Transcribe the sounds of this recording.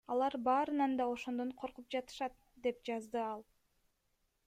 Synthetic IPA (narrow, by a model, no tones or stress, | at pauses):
ɑlˠɑɾbɑːɾɯnɑnd̪ɑo̞ʃo̞nd̪oɴqʰo̞ɾqup̚d͡ʒɑt̪ɯ̥ʃɑt̪̚ | d̪e̞pd͡ʒɑzd̪ɯɑlˠ